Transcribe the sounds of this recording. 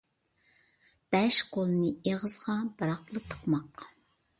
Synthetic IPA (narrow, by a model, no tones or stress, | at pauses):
b̥ɛʃqolˠɨnɨeʁəzʁɑbɑɾɑqlˠət̪ʰːə̥qmɑq